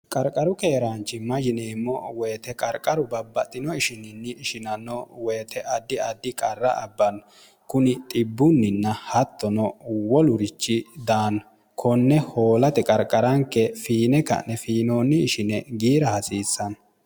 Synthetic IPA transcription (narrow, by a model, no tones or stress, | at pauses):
kʼɐɾkʼɐɾʊke̞ːɾaːnt͡ʃːɪmɐd͡ʒɪneːmːɔweːt̪ɛkʼɐɾkʼɐɾʊbɐbːɐt̪ʼːɪnɔɪʃɪnɪnːɪɪʃɪnɐnːɔwe̞ːt̪ɛʔɐd̪ːɪɐd̪ːɪkʼɐrːɐʔɐbːɐn | kʊnɪt̪ʼɪbːʊnːɪnːɐhɐt̪ːɔnɔwɔlʊɾɪt͡ʃːɪd̪aːnɐ | kʰɔnːɛho̞ːlɐt̪ɛkʼɐɾkʼːɐɾɐŋkːɛfiːnɛkːɐ̰nːɛfiːnoːnːɪɪʃɪnɛɡiːɾɐhɐsiːsːɐn